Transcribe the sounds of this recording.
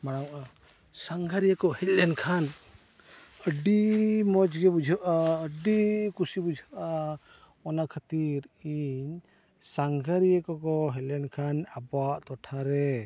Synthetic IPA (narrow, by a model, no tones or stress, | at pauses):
maɽ̃awʔa | saŋɡʱaɾijakɔhɛclɛnkʰan | əɖimɔd͡ʒɡɛbud͡ʒʱəʔaəɖikusibud͡ʒʱəʔa | ɔnakʰat̪iɾiɲ | saŋɡʱaɾijɛkɔkɔɦɛlɛnkʰanabaʔt̪ɔʈʰaɾɛ